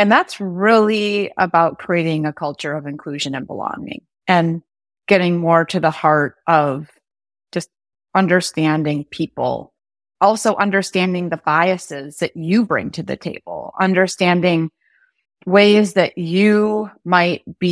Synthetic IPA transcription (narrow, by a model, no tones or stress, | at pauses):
ɨ̃nðætsɹɪlˠiə̰baʊt̚kʰɹ̥ieɪɾɪ̃ŋɨkʰʌlˠt͡ʃə˞ʌvɨ̃nkʰl̥ʉʒɨ̃nɨ̃nbə̰lɔ̰̃ŋɪ̰̃ŋ | ɨ̃n | ɡ̥ɛɾɪ̃ŋmɔɹɾɨðəhɑɹɾʔʌv̥ | d̥ʒ̥ʌst̚ | ʌ̃ndə˞stæ̃ndɪ̃ŋpʰipl̩ˠ | ɔlˠsoʊʔʌ̃ndə˞stæ̃ndɪ̃ŋðɨbaɪɨsɪzðɨt͡ʃɨbɹɪ̰̃ŋtʰɨðɨ̰tʰeɪb̥l̩ˠʌ̰̃ndə˞stæ̃ndɪ̃ŋ | weɪzðɨt͡ʃɨmaɪt̚b̥i